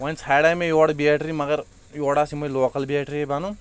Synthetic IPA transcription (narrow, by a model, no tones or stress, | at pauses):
ʋɐnsʰaːɽamẽjoːɽbieːʈɾimɐɡəɾ | joːɽaːsimoiloːkəlbieːʈɾiebaːnu